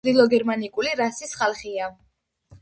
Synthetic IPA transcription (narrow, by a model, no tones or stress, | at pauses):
d̪ilˠɔɡɛɾmanikʼuliɾasisχalˠχia